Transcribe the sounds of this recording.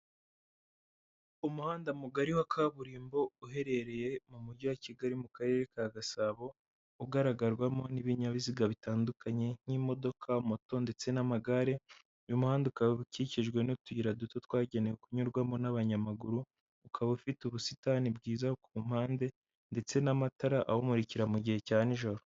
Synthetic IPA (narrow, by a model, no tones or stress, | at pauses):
umuhaːndamuɡaɾiwakʰaβuɾiːmbo̞uɦe̞ɾe̞ɾe̞je̞mumuɾɟowaciɡaɾimukaɾe̞ɾe̞kaɡasaːβo̞ | uɡaɾaɡaɾɡwamo̞niβiɲaβiziɡaβitaːndukaɲe̞n̥imo̞do̞kʰamoto̞nde̞t͡se̞namaɡaɾe̞ | ujumuhaːndukawβuciciʒɡwe̞nutuiɾadutot̪waːɟe̞nejokuɲuɾɡwamo̞naβaɲamaɡuɾuː | kʰaβufituβusitanibɡiːzakum̥haːnde̞ | nde̞t͡se̞namataɾaʔahomuɾiciɾamuɟihe̞caːniʒo̞ɾo